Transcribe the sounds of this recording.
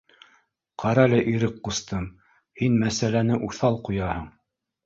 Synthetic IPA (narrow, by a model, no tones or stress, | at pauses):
qʰɑɾɑlæʔiɾɘk̚qust̪ɤm | hinmæsælænɘʔuθɑlˠqujɑhɤɴ